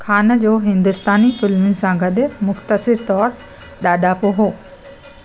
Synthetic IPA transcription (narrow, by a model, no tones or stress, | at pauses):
kʰaːnəd͡ʑoːɦɪ̃nd̪ʊst̪aːnifɪlmɪn̆sãɡʱəɗ̪emʊxt̪əsɪɾt̪ɔːɾ | ɗaːɗaːpoɦoː